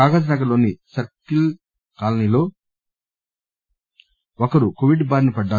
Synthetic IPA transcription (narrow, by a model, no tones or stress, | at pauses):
aːɡɐd͡ʒɐnɐkɐlo̞ːnisɐɾkil | kaːlɐnilo̞ː | ɔkɐɾukoʋiɖbaːɾnipɐɖːaː